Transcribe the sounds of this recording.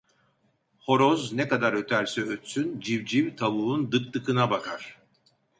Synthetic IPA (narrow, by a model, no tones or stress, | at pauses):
ho̞ɾoznɛkad̪aɾø̞t̪ʰæɾsɛøt̪synd͡ʒivd͡ʒivt̪ʰaβuːund̪ɯk̚t̪ɯkɯnabakʰaɾ̥